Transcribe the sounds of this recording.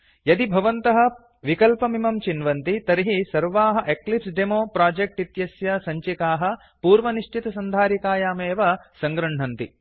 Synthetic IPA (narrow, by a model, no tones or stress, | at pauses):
jɐd̪ibʱɐʋɐnt̪ɐɦɐ̆ | ʋikɐlpɐmimɐmt͡ʃinʋɐnt̪it̪ɐɾiɦisɐɾʋaːɦɐ̆ʔeklipsɖemoːpɾaːd͡ʒek̚ʈit̪jɐsjɐsɐɲt͡ʃikaːɦɐ̆ | puːɾʋɐniʂʈit̪ɐsɐnd̪ʱaːɾikaːjaːmeːʋɐsɐŋɡɾɐɳɳɐnt̪i